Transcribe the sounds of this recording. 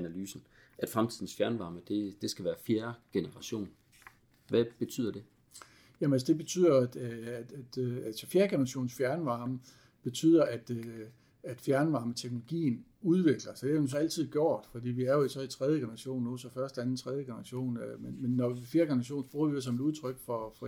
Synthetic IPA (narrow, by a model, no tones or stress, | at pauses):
ænælyːsn̩ | ʔæd̥fʁamt͡sʰið̰ˠn̩sfjæɐnʋɑ̈ːməd̥e̝d̥e̝sɡ̥æʋæːɐfjeɐɡ̥e̝nəʁɑ̈ɕo̝̰ːn | ʋæb̥e̝t͡sʰy̰ð̰ˠɐd̥e̝ | jæm̩æls̬əd̥e̝b̥e̝t͡sʰy̰ð̰ˠɐæd̥æd̥ælsɒfjeɐɡ̥enɐʁɑ̈ɕo̝̰ːn̩sfjæɐnʋɑ̈ːmə | b̥e̝t͡sʰy̰ð̰ˠɐʔæd̥ø | æd̥fjæɐnʋɑ̈ːmət͡sʰeɡ̥no̝lo̝ɡ̥ḭːnuð̞ˠʋe̝ɡ̥lɐsɒd̥eæ̥s̬ɒ̽æl̰t͡sʰið̞̰ˠɡ̥jo̝̰ːd̥fɒ̽d̥ḭːʋiæɐjo̝isɒit͡sʰʁɛðˠjəɡ̥enɐʁɑ̈ɕo̝̰ːnːusɒ̽fɶɐsd̥ænn̩t͡sʰʁɛð̞ˠjəɡ̥e̝nɐʁɑ̈ɕo̝̰ːnmenmenːɒfje̝ːɐɡ̥enɐʁɑ̈ɕo̝̰ːnsb̥ʁuːɐʋies̬ɒ̽meɾuð̞ˠt͡sʰʁœɡ̥fɒfɒ̽